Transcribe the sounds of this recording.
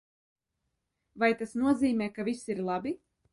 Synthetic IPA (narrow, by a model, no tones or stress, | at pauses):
vajt̪asnuɔziːmɛːkavisiɾlˠabi